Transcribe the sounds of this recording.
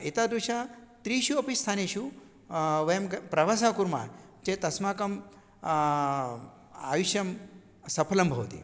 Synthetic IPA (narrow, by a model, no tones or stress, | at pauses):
et̪aːd̪uʃat̪ɾiːʃuɐpist̪ʰaːneʃu | ʋɐjɐmpɾɐʋas̬aːkuɾma̰ː | t͡ʃet̪ɐsmaːkɐm | a̰ːjuʃjɐm | sɐpʰɐlɐmbʱɐwt̪ḭ